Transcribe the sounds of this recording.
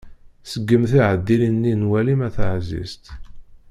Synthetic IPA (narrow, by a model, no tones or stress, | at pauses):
səɡːəmθiʕəd̪ːilinːinwælimæθəʕzḭst̪